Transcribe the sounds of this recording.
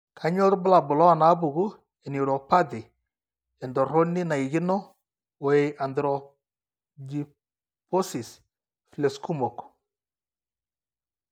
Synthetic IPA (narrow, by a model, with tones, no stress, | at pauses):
kʰa˦ɲɔ˦ɾbʊ˦la˨bʊ˨lɔ˦a˨na˦bu˨ɡu˦ | ɛ˨ni˨ɾɔ˨pa˦dɪ˨ | ɛ˨ndɔ˨ɾɔ˦nɪ˦na˨i˨ɡɪ˦nɔ˦ | wɔ˨e˨ʔa˨ndɾɔ˨ | d͡ʒi˨ | pɔ˦si˨s | fle˨sku˦mɔ˨k